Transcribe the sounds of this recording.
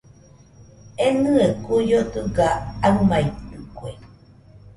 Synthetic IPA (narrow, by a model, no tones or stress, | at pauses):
enɨekujot̪ɨɡaamait̪ɨkwe